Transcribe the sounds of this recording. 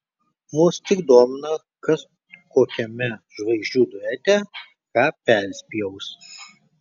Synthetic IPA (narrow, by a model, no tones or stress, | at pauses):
mʊst̪ʲɪkd̪oːmʲɪnɐ | kɐs | koːkʲɛmʲɛʒʋɐɪzʒʲd͡ʒʲuːd̪ʊɛt̪ʲɛ | kɑːpʲɛɾʲsʲpʲijɛʊs